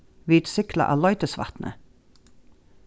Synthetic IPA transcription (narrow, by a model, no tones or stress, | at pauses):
ʋiːt̪sʏklə̰ʔɑ̰ːlɑʏt̪əsʋɑ̰t̪nʔə̰